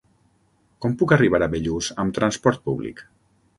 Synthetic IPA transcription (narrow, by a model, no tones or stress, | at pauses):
kɔmpukəriβ̞aɾəβeʎuzəmt̪ɾanspɔɾt̪̚puβlḭk